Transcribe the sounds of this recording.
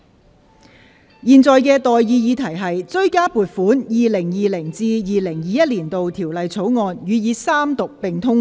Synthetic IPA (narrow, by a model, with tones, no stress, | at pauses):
jiː˨˩nt͡sɔː˨˧jkɛː˧t̪ɔː˨jːiː˨˧jiː˨˧t̪ʰɐ˨˩jɦɐ˨jt͡sɵ˥ɥkaː˥puː˨˩t̚fuː˨˥njiː˨lɪ˨˩ŋjiː˨˩lɪ˨˩ŋt͡siː˧jiː˨lɪ˨˩ŋjiː˨˧jɐ˥t̚liː˨˩nt̪o˨wt̪ʰiː˨˩wlɐ˨jt͡sʰo˨˥wŋɔː˨˧njyː˨˧jiː˨˧saː˥mt̪ʊ˨k̚pɪ˨ŋt̪ʰʊ˥ŋ